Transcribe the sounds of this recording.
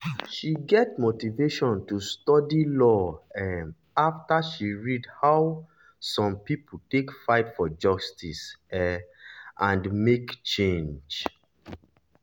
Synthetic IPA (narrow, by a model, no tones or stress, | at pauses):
ʃiɡɛtmotiveʃɔ̃ntustɔdilɔɛ | aftaʃiɹidhaʊ | sɔ̃mpip̩ʰtekfaɪtfɔd͡ʒɔstisɛ | ʔãndmekt͡ʃẽnd͡ʒ